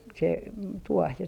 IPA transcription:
se tuoh jɑ

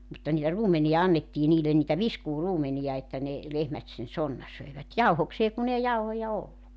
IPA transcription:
mutːɑ niːtæ ruːmenij̆ɑ ɑnːetːiː niːlen niːtæ ʋiskuːruːmenijɑ etːæ ne lehmæt sen sonːɑ søi̞ʋæt jɑuhokseː kun ei jɑuhojɑ olːuk

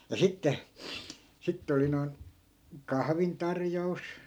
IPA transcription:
jɑ sitːe sitːĕ oli noin kɑhʋintɑrjous

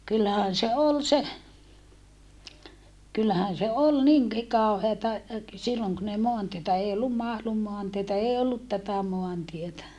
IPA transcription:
kylːæhæn se ol se kylːæhæn se ol niŋki kɑoheːtɑ silːoŋ kun ei moɑntietæ ei olːum mɑhlum moɑntietæ eː olːut tætæ moɑntietæ

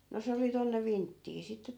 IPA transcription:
no se oli tonːe ʋintːiː sitːe

